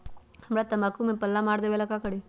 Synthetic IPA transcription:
hɐmɾat̪ɐmakumepɐlːamaːɾd̪ewelakakəɽi

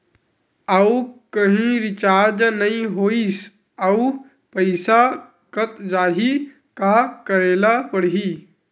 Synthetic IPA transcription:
aukəɦĩɾɪt͡ʃaːɾd͡ʒnɐĩɦoːis | əu | pəɪsa | kət̪d͡ʒaːɦi | kakəɾeːlapəɽɦi

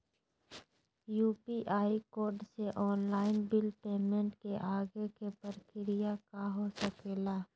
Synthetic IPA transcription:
juːpiʔaːikoːɾɖseʔɔːnlaːɪnbɪlpeːmẽɳʈkeʔaːɡekepəɾkɪɾɪjakaɦosəkeːlaː

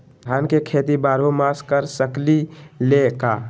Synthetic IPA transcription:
d̪ʱankekʰet̪ibaɾomaskəɾsəklileka

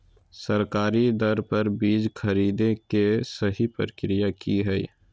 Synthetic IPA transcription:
səɾkaːɾid̪ɐɾpɐɾbiːd͡ʒkʰɐɾiːd̪ẽkesəɦipɾəkɾijakiɦɛḭ

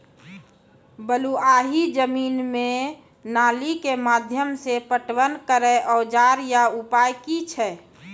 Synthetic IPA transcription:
bəluaːɦid͡ʒəmiːnme | naːlikemaːd̪ʱjəmsepəʈwənkəɾeʔɔːd͡ʒaːɾjaupaːjkit͡ʃʰɛ

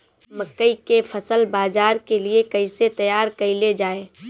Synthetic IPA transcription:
mɐkːəikefʰɐsəlbaːzaːɾkeliekɐiset̪ɐjaːɾkɐiled͡ʒaːeː

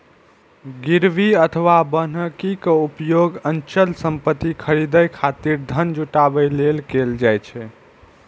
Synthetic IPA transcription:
ɡiɾʋiət̪ʰəʋabənəkikəupjoɡənt͡ʃəlsəmpət̪ːikʰəɾid̪əjkʰat̪iɾd̪ʱənd͡ʒuʈabəjlelkeld͡ʒajt͡ʃʰɛ

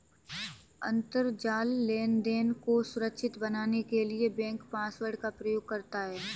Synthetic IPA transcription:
ɐ̰̃nt̪əɾd͡ʒaːlːeːnd̪eːnkosʊɾəkʃɪt̪bɐnaːnekeliebɛ̃ːŋkpãːsʋəɾɖkapɾɐjoːɡ̚kɐɾt̪aɦɛː

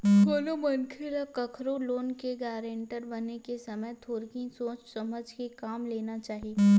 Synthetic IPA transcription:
koːnomɐnkʰɪɾakɐkʰɾoloːnkeɡaːɾeːɳʈəɾbɐnekesɐməjt̪ʰoːɾkĩsoːt͡ʃsɐməd͡ʒʱkekaːmleːnat͡ʃaːɦie

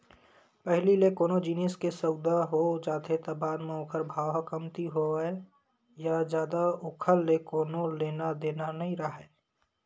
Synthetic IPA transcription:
pɛɦlilekoːnod͡ʒiːneskesəʊd̪aɦod͡ʒaːt̪et̪əbaːnmẽokʰəɾbʱaːwakəmt̪iɦoe | jad͡ʒjaːd̪aʊkʰəlːekoːnoleːnad̪eːnanəɦĩɾaɦɛː

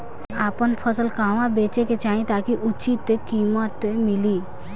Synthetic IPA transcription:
aːpənpʰəsəlkãɦwãbet͡ʃeket͡ʃaĩt̪akiʔut͡ʃit̪ːekimət̪emili

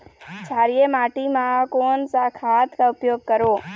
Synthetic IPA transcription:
t͡ʃʰaːɾijemaːʈimãkoːnsakʰat̪kaʊpjoːɡ̚kəɾoː

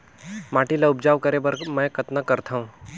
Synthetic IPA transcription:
maːʈilaʊbd͡ʒaːʋkəɾebəɾmɛ̃kət̪nəkəɾt̪ʰaũ

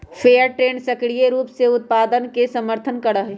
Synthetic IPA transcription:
pʰejəɾʈɾensəkɽijeɾuːpseut̪̚pad̪ənkesəməɾt̪ʰənkəɽəɦe

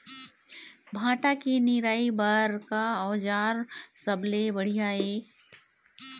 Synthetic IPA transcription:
bʱãːʈakenɪɾaːibaɾkaɔːd͡ʒaːɾsəblebəɽ̤ijaeː

